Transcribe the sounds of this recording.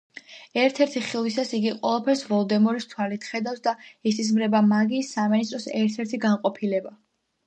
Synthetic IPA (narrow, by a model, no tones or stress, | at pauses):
ɛɾt̪ʰɛɾt̪ʰiχilˠwisasiɡiqʼwɛlˠapʰɛɾsvɔlˠd̪ɛmɔɾist̪ʰwalit̪ʰχɛd̪afsd̪aɛsis̬mɾɛbamaɡisaminist̪ʼɾɔsɛɾt̪ʰɛɾt̪ʰiɡanqʼɔpʰilɛba